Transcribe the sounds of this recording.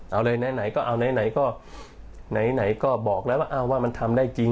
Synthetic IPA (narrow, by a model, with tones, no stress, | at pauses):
ʔa˧wlɤː˧jna˨˧˥jna˨˩˦jkɔː˥˩ʔa˧wna˨˦jna˩˦jkɔː˥˩ | na˩˦jna˩˦jkɔː˥˩bɔː˨˩k̚lɛː˦˥waː˥˩ʔa˧˩wwaː˥˩ma˧nt̪ʰa˧mdaː˥˩jt͡ɕi˧ŋ